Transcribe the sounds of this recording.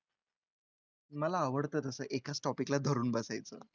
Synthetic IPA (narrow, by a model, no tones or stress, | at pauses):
məlaːʋəɽt̪əːt̪əsəːʔekat͡sʈɔpiklad̪ʱəɾuːnbəsajt͡sə̰ː